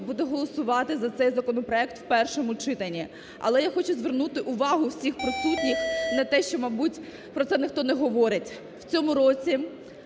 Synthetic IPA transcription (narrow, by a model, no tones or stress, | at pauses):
bud̪ɛɦɔlˠɔsʊʋɑt̪ɪzɐt̪sɛjzɐkɔnɔpɾɔɛkt̪wpɛrʃɔmʊt͡ʃɪt̪ɐnʲːi | ɐ̰lˠɛjaxɔt͡ʃʊzʋernut̪ɪʔʊʋɑɦʊwsʲixpɾɔsut̪ʲnʲixnɐt̪ɛʃt͡ʃɔmɐjbutʲ | pɾɔtsɛnɪxt̪ɔnɛɦɔʋɔɾɪtʲ | wt͡sʲɔmʊɾɔt͡sʲi